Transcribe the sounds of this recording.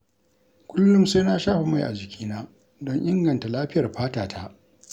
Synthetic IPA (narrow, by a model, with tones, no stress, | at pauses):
kʷʊ˦lːʊ˦msa˦jnaː˦ʃaː˦ɸe˨ma˦˨jʔa̰˨d͡ʒɪ˨kʲʰiː˦naː˦ | dɔ˦ɲʔɪ˦ŋɡɐ˨nta˨laː˦ɸɪ˦jɐ˨rɸaː˦taː˨tʰa˦ʔ